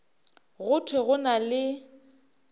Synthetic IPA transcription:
ɣʊtʰweɣʊnalɪ

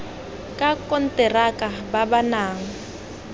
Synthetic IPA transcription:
kʼakʼɔn̩tʼɛrakʼababanaːŋ̩

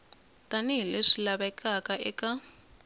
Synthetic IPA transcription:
tʼaniɦileʂilaβaɛkʰʼakaʔɛka

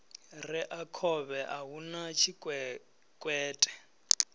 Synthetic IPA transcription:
rɛʔakʰɔβɛʔaɦunat͡ʃʰikʼɛ | kʼwɛːtʼɛ̥

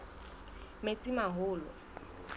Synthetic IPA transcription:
met͡sʼimaɦʊːlɔ̰

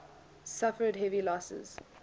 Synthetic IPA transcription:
safədɦɛvilɔsə̰z̥

